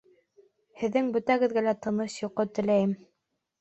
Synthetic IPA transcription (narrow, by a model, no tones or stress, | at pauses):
hɘ̆ðːɘŋbɵ̆t̪æɡɘ̆ðɡælæt̪ɤ̆nɤʃjŏqːɤt̪ɘ̆læjɘm